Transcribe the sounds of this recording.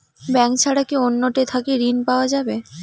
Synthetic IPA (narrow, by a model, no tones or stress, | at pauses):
bɛŋkt͡ɕʰaɽakionːoʈet̪ʰakeɾinpaoad͡ʑabe